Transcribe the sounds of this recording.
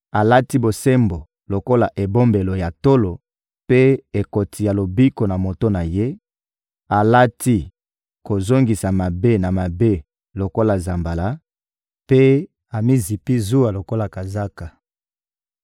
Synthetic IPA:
a˨la˦ti˦bo˨se˦mbo˨ | lo˨ko˦la˨ʔe˨bo˦mbe˨lo˨ja˨to˦lo˨ | pe˦e˨ko˨tʰi˨ja˨lo˨bi˦ko˨na˨mo˨to˦na˨je˦ | a˨la˦tʰi˦ | ko˨zo˦ŋɡi˨sa˨ma˨be˦na˨ma˨be˦ | lo˨ko˦la˨za˨mba˨la˦ | pe˦ | a˨mi˦zi˨pi˦zu˦a˨lo˨ko˦la˨ka˨za˦ka˨

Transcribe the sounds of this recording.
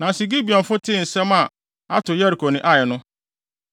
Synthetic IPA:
nã˨si˨ɡi˦bi˨ɔ̃˨nfʊ˦tʰɪ̃˦˨n̩˨sɛ˦ma˨ | a̰˦tʊ˨jɛ˦ɾi˨kʰo˨nɪ̃˨ʔa˨jɛ˨nʊ̃˦

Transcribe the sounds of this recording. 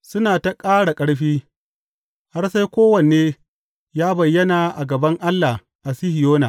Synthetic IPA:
sʊ˦naː˨ta˨kʼaː˦ɽa˨kʼɐ˦ɽɸiː˦ | ha˦rsa˦jkʷoː˦wɐ˨neː˦ | jaː˦bɐ˨jːɐ˦naː˨ʔa˨ɡɐ˨bɐ˦ŋʔa˦lːa˨ | ʔa˨si˦hɪ˨joː˦na˨

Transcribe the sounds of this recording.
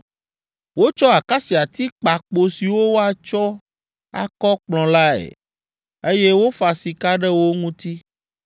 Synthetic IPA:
wo˦t͡ʃɔ˦a˨ka˦si˨a˨t̪i˦k͡pa˨k͡po˨si˨wo˦wo˦a˨t͡ʃɔ˦ | a̰˨kɔ˦k͡plɔ̃˨la˦ɛ̰˨ | e˦je˦wo˦fa˨si˨ka˦ɖɛ˦wo˦ŋũ˦t̪i˦

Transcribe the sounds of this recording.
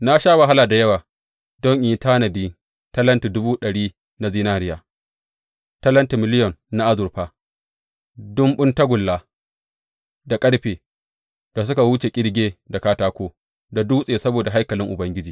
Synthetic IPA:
na˦ʃaː˦wa˨ɦa˦laː˨da˨jɐ˦waː˨ | dɔ˦ŋʔɪː˨˦taː˦nɐ˨biː˦ | tɐ˦lɐ˦nti˨dʊ˦buː˦ɗɐ˨ɽiː˦ | na˨ziː˦naː˦ɾɪ˦jaː˨ | tɐ˦lɐ˦nti˨mɪ˦lɪ˦jɔ˨nːa˦ʔa˦zʊ˨ɾɸaː˦ | dʊ˦mɓʊ˦ntɐ˦ɡʷʊ˨lːaː˨ | da˨kʼɐ˦ɽɸeː˨ | d̥a˨s̬ʊ˦ka˨wu˦t͡ʃe˨kʲʼɪ˦ɽɡʲeː˦da˨kaː˦taː˦kʷoː˦ | da˨duː˦sʼeː˨sɐ˦boː˨da˨ɦa˦jkɐ˨lɪ˦ŋʔʊ˨bɐ˦ŋɡʲɪ˦d͡ʒiː˨

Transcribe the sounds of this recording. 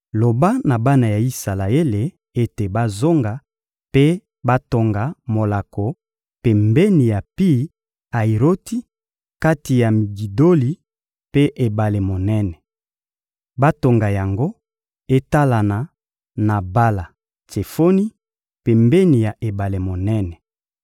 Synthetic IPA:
lo˨ba˦na˨ba˦na˨ja˨i˦sa˨la˨e˦le˨ | e˦te˨ba˦zo˦ŋɡa˨ | pe˦ | ba˦to˨ŋɡa˨mo˨la˨ko˨ | pɛ˨mbɛ˦ni˨ja˨pi˦ | a˨i˨ʁo˦ti˦ | ka˦ti˨ja˨mi˨ɡi˨do˦li˨ | pe˦ʔe˨ba˨le˨mo˨nɛ˦nɛ˨ | ba˦to˨ŋɡa˨ja˨ŋɡo˦ | e˦ta˦la˨na˨ | na˨ba˦la˨ | te˨fo˦ni˦ | pe˨mbe˦ni˨ja˨ʔe˨ba˨le˨mo˨nɛ˦nɛ˨

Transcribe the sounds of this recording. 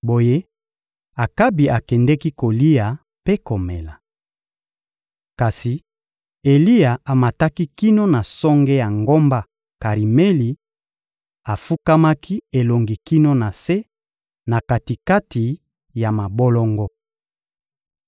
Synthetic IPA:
bo˨je˦ | a˨ka˦bi˨ʔa˨kɛ˨ndɛ˦ki˦ko˨li˦ja˨ | pe˦ko˨mɛ˨la˨ | ka˨si˨ | e˨li˦a˨a˨ma˨ta˦ki˦ki˦no˦na˨sɔ˦ŋɡɛ˦ja˨ŋɡo˦mba˦ | ka˨ʁi˨me˦li˨ | a˨fu˦ka˦ma˦ki˦e˨lo˨ŋɡi˨ki˦no˦na˨se˦ | na˨ka˨ti˨ka˦ti˨ | ja˨ma˨bo˦lɔ˦ŋɡɔ˦

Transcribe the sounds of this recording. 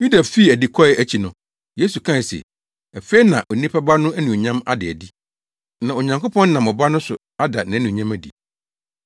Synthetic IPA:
ju˦da˨fi˦˨æ˨di˨kʰɔ˦ɪ˨æ˦t͡ɕʰi˨nʊ̃˨ | je˦su˨kʰã˦˨sḛ˨ | æ˨fe˦i˦nã˨ʔɔ˨nĩ˦pʰa˦ba˦nʊ̃˦æ˦nũ˨ɲã˦ma̰˦dɪ˨æ˨di˦ | nã˨o˨ɲã˨ŋko˦pʰɔ̃˦nː˦nã˨mɔ˨ba˦nʊ̃˦sʊ̰˨ | a˦da˨nã˨˦nũ˨ɲã˦mæ˨dḭ˨

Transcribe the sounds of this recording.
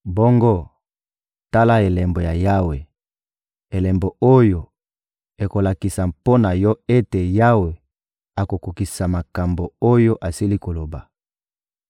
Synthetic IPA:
bo˦ŋɡo˦ | ta˦la˦e˨lɛ˨mbo˨ja˨ja˦we˨ | e˨lɛ˨mbo˨o˦jo˨ | e˨ko˨la˨ki˨sa˨mpo˦na˨jɔ˦e˦te˨ja˦we˨ | a˨ko˨ku˨ki˨sa˨ma˨ka˨mbo˨o˦jo˦ʔa˨si˦li˦ko˨lo˨ba˨

